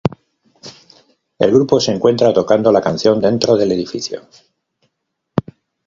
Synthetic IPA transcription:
e̞̰lɣɾupo̞seŋkwe̞nt̪ɾat̪o̞kand̪o̞lakanθjo̞nd̪e̞nt̪ɾo̞ð̞e̞le̞ðifḭθjo̞̰

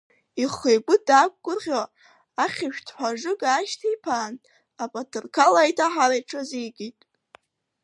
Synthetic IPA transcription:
iχejɡʷʊdakʷʼɡʷʊrʁʲo | aχʲɪʃᶣtʰħʷaʐɨɡaːʃtʰipʰaːn | apʼatʰɨrkʰalajtʰaħaɾajʈ͡ʂʰazijɡʼitʼ

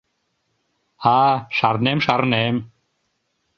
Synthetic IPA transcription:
haːʃaɾnemʃaɾnɛm

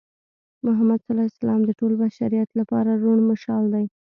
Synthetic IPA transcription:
mʊɦamad̪salɑjsalɑmd̪əʈolbaʃaɾijat̪lapɑɾaɾoɳmaʃɑld̪aj

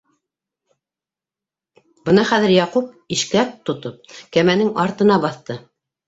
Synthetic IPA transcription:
b̥ɤnɑχæðɘɾjɑqup̚iʃkæk̚t̪ŏt̪op̚kæmænɘŋɑɾt̪ɤ̆n̪ɑbɑθt̪ɤ

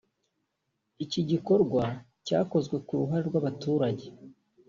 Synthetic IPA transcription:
iciɟiko̞ɾɡwa | ca̰ːko̞zɡwe̞kuɾuɦaɾeɾɡwaβatuːɾaɟe̞

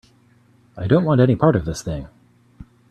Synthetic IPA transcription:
aɪdõʊ̃nʔwɑ̃ntɛñipʰɑɹɾʌvðɪsθɪ̃ŋ

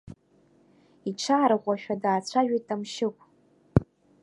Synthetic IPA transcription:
iʈ͡ʂʰaːɾʁʷaʃᶣadaːt͡sʷʰaʒᶣijtʼamʃɪkʷʼ

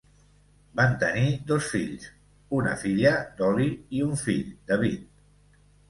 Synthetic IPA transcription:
bant̪ənid̪osfḭʎs | unə̰fiʎəd̪ɔliiuɱfḭʎd̪aβ̞it̪̚

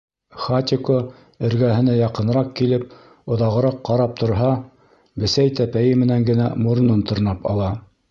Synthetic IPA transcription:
χat̪ʲɪko | ɘ̆ɾɡæɦɘ̆næjɑqɤ̆nɾɑq̚kilɘp̚ | ŏðɑʁɤ̆ɾɑqːɑɾɑp̚t̪ʰŏɾɦɑ | bɘ̆sæjt̪æpæjɘmɘ̆næŋɡɘ̆næmuɾnɤnt̪ŏɾnɑpɑ̰lˠɑ

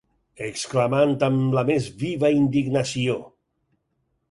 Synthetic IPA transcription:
eksklamant̪amlamezβiβəind̪iɡnasio

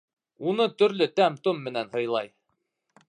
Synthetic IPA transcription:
unɤt̪ɵ̆ɾlɵt̪æmt̪omːɘ̆nænɦɤ̆jlˠɑj

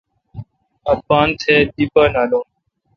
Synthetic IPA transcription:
əpːaːnt̪ʰeːd̪iːpaːnaːlõː

